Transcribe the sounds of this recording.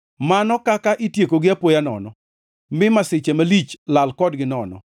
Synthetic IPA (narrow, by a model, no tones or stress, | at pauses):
manɔkakaʔɪtjekoɡɪapojanɔ̰nɔ | mɪmasɪt͡ʃemalit͡ʃlalkɔdɡɪnɔnɔ̰